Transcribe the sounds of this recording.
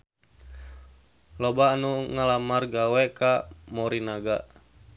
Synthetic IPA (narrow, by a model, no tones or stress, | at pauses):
lɔbaːnuŋalamarɡawɛkamɔɾinaɡa